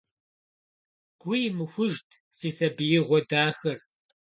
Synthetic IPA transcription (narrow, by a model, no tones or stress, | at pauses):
ɡ̥ʷʊjmɨxʷʊʒtʰ | siːsɐbɨjɪʁʷɔdaːxɐr